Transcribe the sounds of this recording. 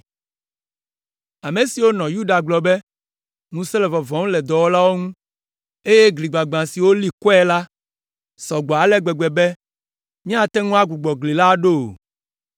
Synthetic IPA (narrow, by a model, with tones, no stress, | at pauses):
a˨me˨si˨wo˦nɔ̃˨ju˦ɖa˨ɡ͡blɔ˨bɛ˦ | mũ˦se˦lɛ˨vɔ˨vɔ̃˨ŋ̃˦lɛ˨d̪ɔ˨wo˦la˦wo˦ŋũ˦ | e˦je˦ɡli˨ɡ͡ba˨ɡ͡bã˨si˨wo˦li˦kɔ˦ɛ˦la˦ | sɔ˨ɡ͡bɔ˨a˨lɛ˦ɡ͡bɛ˨ɡ͡bɛ˨bɛ˦ | mĩ˦a˨t̪ɛ˦ŋũ˦a˦ɡu˨ɡ͡bɔ˨ɡli˨la˦ɖo˦˨